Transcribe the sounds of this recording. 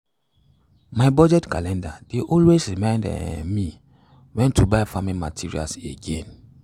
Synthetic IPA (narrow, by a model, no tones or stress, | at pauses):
maɪbɔd͡ʒɛtkalɛ̃ndadeʔɔlwesɹimãɪ̃nd̰nmi | wɛ̃ntʰubaɪfamima̰tʰiɹḭa̰lseɡḛ̃n